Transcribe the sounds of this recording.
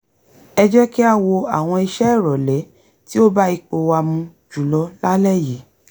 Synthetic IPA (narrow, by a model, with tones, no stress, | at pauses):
ɛ˧d͡ʒɛ˦ki˦a˦wo˧a̰˨w̃ɔ̃˧i˧ʃɛ˦˨ɾɔ˨lɛ˨˦ | ti˦o˦ba˦i˧k͡po˧wa˧mũ˧ | d͡ʒu˨lɔ˨˦la˦lɛ˦˨ji˨˦